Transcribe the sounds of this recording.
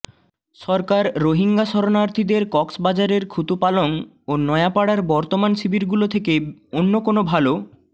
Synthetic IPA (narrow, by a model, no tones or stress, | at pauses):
ʃɔɾkaɾːoɦiŋɡaʃɔɾonaɾt̪ʰid̪eɾkɔksbad͡ʑaɾeɾkʰut̪upaloŋ | onɔeapaɽaɾbɔɾt̪omanʃibiɾɡulot̪ʰekeonːokonobʱalo